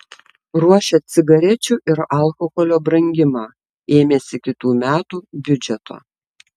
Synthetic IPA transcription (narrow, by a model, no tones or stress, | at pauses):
ɾuɔʃʲɛt̪sʲɪɡɐɾʲɛt͡ʃʲuːʔɪɾɐlˠkɔxɔlʲoːbɾɐŋʲɡʲɪmɑː | eːmʲeːsʲɪkʲɪt̪uːmʲæːt̪uːbʲʊd͡ʒʲɛt̪o̰ː